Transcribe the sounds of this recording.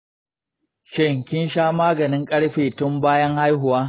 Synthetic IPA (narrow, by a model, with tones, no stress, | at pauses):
ʃɛ˦ŋkʲɪ˦nʃaː˦maː˦ɡɐ˨nɪ˦ŋkʼɐ˦ɽɸeː˨tʊ˦mbaː˦jɐ˦ŋha˦jɦʊ˨waː˦